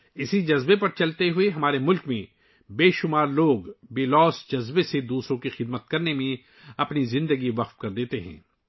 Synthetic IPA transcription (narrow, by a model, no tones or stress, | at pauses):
ɪsid͡ʒɐzbepɐɾt͡ʃɐlt̪eɦʊeɦɐmaːɾemʊlkmẽ | beːʃʊmaːɾloːɡbeːlɔːsd͡ʒɐzbesed̪uːsɾõkixɪd̪mət̪̚kɐɾnemẽ | ɐpnizɪ̃nd̪əɡiʋɐqt̪kɐɾd̪eːt̪eɦɛ̰̃ː